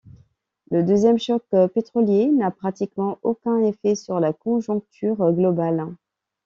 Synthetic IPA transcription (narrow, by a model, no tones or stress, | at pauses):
ləd̪øzjɛmʃɔkpet̪χɔljenapχat̪ikmɑ̃okʲɛ̃efɛsyʁlakɔ̃ʒɔ̃k̚t̪ʰyʁɡlɔbal